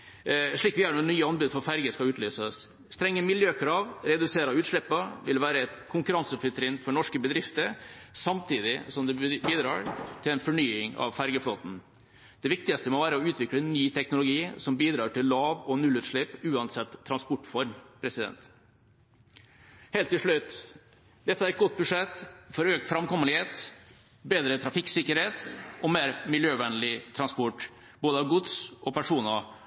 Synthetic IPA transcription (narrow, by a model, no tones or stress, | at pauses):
ʂɭiːkʋɪɑːɳɔnyːəɑnbʉːd̪fɔɾfæɾɡəskɑʉːt̪ʰlyːsəs | st̪ɾɛŋːəmɪljøːkʰɾɑːʋɾɛd̪ʉseːɾɑʉːt̪ʂɭɪpːəʋɪlʋæːɾəɛt̪kʰʊŋkʉɾɑnsəəpfʏt̪ɾɪnfɔɳɔʂkəbəd̪ɾɪft̪əɾsɑmt̪ʰiːd̪ɪsɔmd̪ɛbiːd̪ɾɑ̰ːɾt̪ʰɪlɛɪnfɔɳyːɪŋɑ̰ʋfæɾɡəfloːt̪n̩ | d̪̥ɛʋɪk̚t̪ɪɡɑst̪əmoʋæːɾəɔʉːt̪ʰʋɪklənːyːt̪ʰɛknʊlʊɡiːsɔmbiːd̪ɾɑːʈɪlːɑːʋɔnʉlːʉːt̪ʂɭɪpːʉːɑnsɛt̪ʰːɾɑnspɔʈːfɔɾmpʰɾɛsɪd̪ɛ̰nt̪ | heːlt̪ːɪlʂɭʉt̪ː | d̪ɛt̪ːəæɾɛt̪̚ɡɔt̪̚ːbʉʂɛt̪ːfɔɾøːk̚t̪fɾɑmkɔmːənɪheːt̪ | beːd̪ɾət̪ʰɾɑfɪksɪkːəɾheːt̪ʔɔmeːɾmɪljøːʋɛnəlɪt̪ʰɾɑnspɔʈː | boːd̪əɑʋɡʊd̪sɔpæʂuːnɑ